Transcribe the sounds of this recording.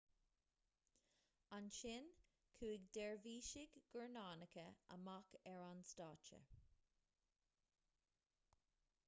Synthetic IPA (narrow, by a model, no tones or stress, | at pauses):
anʃɪn | kʰuːɪɡd̪ɛɹviːʃɪɡɡəɹnaːnəkəə̰makɛɹanstɑːt͡ʃə̰